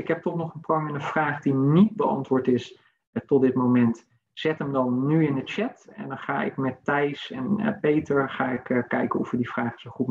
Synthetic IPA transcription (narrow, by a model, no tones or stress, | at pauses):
ɪkɦɛp̚tɔχnɔχənprɔmɪnəfraːχdinit̚bəɑ̰ntʋʊːɹtɪs | tɔt̚dɪtmowmɛnt | z̥ɛtəmdɑnːyɪnətt͡ʃɛtɛ̰ndɑnχa̰ːɪ̰kmɛtːɛjsɛnpejtəɹχaːɪkkːɛjkənɔ̰fəɹdifraːχə̥z̥əχut̚